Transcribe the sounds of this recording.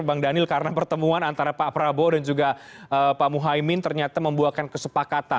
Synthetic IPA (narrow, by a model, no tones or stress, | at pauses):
baŋdanɪlkaɾənapərt̪əmuanant̪aɾapapɾabodand͡ʒuɡaʔəpamuɦaimɪnt̪ərɲat̪aməmbuakankəsəpakat̪a